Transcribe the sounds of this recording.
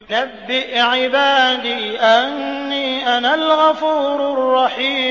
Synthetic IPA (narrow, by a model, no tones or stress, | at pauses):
nabːɪʔʕɪbaːd̪iːʔanːiːʔanalɣafuːɾɾrˤːɑħiː